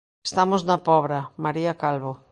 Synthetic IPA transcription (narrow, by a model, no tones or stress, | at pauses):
est̪amoznɐpɔβ̞ɾɐmaɾiakalβo